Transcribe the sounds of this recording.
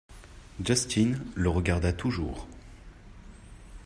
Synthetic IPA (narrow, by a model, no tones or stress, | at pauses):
d͡ʒast̪ʰinləʁəɡaʁd̪at̪ʰuʒṵːʁ